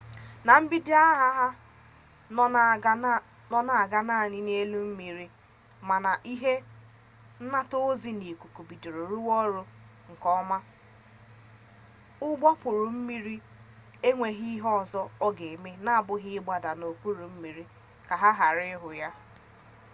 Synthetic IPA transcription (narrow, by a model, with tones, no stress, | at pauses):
na˨m̩˦bi˦di˦a˦ɦa˦ɦa˦ | nɔ˦na˨a˨ɡa˦na˦˨ɲɪ˦n˦e˦lu˦m̩˦mi˨ɾi˦ | ma˨na˨ʔi˦ɦe˦ | n̩˦na˦to˦zi˦ne˨ku˨ku˨bi˨do˨ɾo˨ɾu˦wɔ˦ɾʊ˦ | ŋ̩˨kɔ˦ma˦ | ʊ˦ɡ͡bɔ˦pʊ˨ɾʊ˨m̩˦mi˦ɾi˦ | e˦ŋʷe˨ɦi˦ɦɔ˦˨zɔ˦ɔ˦ɡe˨me˦na˦a˨bʊ˦ɦɪ˦ɪ˦ɡ͡ba˨da˨no˨k͡pu˦ɾu˨m̩˦mi˨ɾi˦ | ka˨ɦa˦ɦa˨ɾɪ˦ɦʊ˨ja˦